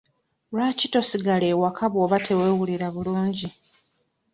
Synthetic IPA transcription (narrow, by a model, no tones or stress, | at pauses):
laːcito̞siɡale̞ːwakʰaβoːβatʰe̞we̞ːwuliɾaβuluːɲɟi